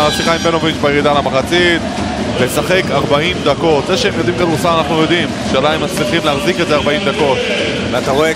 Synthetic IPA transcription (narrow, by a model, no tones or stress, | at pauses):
ʃiχajimbeno̞vit͡ʃbajeʁid̪alamaχat͡sit̪ | lesaχe̞kaʁbaimd̪ako̞t̪zeʃeemjo̞d̪imkad̪uʁsamanaχnujo̞d̪im | ʃealaimːat͡sliχimleaχzikedzeaʁbaimd̪ako̞t̪ | vat̪aʁoe